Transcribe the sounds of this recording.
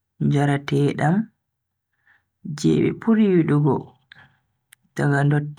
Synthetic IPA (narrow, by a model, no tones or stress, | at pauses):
ɲd͡ʒaɾatɛɗam | d͡ʒɛ̰ɓɛ̰puɾiwiɗuɡɔ | taɡandɔtː